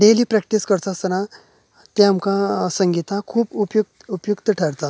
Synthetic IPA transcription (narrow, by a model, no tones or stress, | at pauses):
ɖeliːpɾɛk̚ʈiskəɾt͡sasəɾã | t̪ẽamkãsəŋɡit̪ãkʰuːpupjukt̪upjukt̪əʈʰəɾt̪at̪